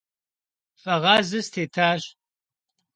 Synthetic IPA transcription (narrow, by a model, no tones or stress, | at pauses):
fʼɐʁɑːzɨstʰeːtʰaːɕ